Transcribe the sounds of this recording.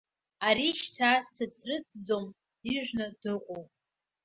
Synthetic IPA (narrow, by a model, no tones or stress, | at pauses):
aɾiʃtʰat͡sʰɨt͡sʰrɨt͡sʼd͡zom | iʒᶣʷnɨdɨqʷʼowpʼ